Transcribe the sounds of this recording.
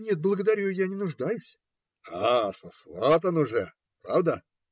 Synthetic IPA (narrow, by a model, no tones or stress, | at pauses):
nʲe̞t̪̚blˠəɡəd̪ɐɾʲujanʲɪnʊʐd̪ajʊsʲ | asɐsvat̪ənʊʐɛ | pɾavd̪ə